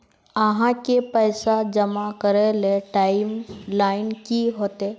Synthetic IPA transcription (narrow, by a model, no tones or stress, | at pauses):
əɦãkepəɪsad͡ʒəmakəɾeleʈaːɪmlaːɪnkiɦoːt̪e